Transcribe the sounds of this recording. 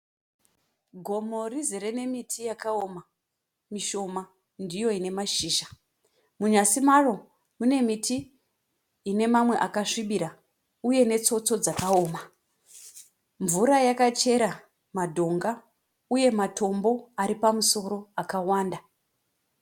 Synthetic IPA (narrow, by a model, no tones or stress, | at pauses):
ɡʱo̞mo̞riziɾe̞ne̞mitʰijakaoma | miʃo̞ma | ndijo̞ine̞maʃiːʃḁ | muɲasimaro̞ | mune̞mitʰiː | ne̞mamwe̞ʔakaʂiɓiɾa | uje̞ne̞t͡so̞t͡so̞d͡zakaoːma | ɱvuɾajakat͡ʃe̞ɾa | madʱo̞ŋɡa | uje̞matʰo̞mbo̞aɾipamuso̞ɾo̞akawaːnda